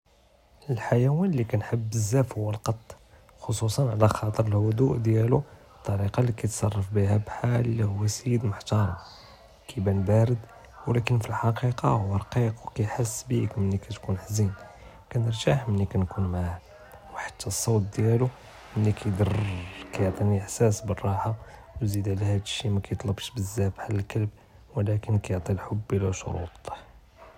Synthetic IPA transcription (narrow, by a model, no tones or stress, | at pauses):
əlħajæwænlːikænħəbːəzːæfhʊwːəlqɑt̪ˤː | xosusˤɑnʕlæxɑt̪ˤəɾəlhʊd̪uʔd̪jæluət̪ˤːɑɾiqɑlikæt̪sˤɑrˤːɑfbihæbħalːihʊwːæsjəd̪mʊħt̪ɑɾˤɑ | kʰibænbæɾəd̪ | wlækənfilħɑqiqɑhʊwːəɾˤqiqwkæjħəsːbikmənːikæt̪kunħzin | kænəɾt̪aħmənːikænkunmʕa | wħḁt̪ʰːæsˤːɑwt̪̚d̪jælu | mənːikʰæjd̪ɑrkæjoʕt̪ˤiniəħsæsbərˤːɑħa | wzid̪ʕlæhæd̪əʃːimækæjət̪ˤlɑbʃbəzːæbħalælkəlb̚ | wəlækənkæjoʕt̪ˤilħobːilæʃo̰ɾṵt̪ˤ